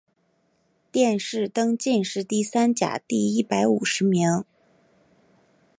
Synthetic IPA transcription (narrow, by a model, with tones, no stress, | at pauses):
t̪jɛ˥˧nʂɻ̩˥˩t̪ɤ˥ŋt͡ɕi˥˧nʂɻ̩˥˧t̪i˥˩sa˥nt͡ɕja̰˨˩t̪i˥˧˩i˥˩pa˧˥ɪu˨˩ʂɻ̩˧˥mi˧˥ŋ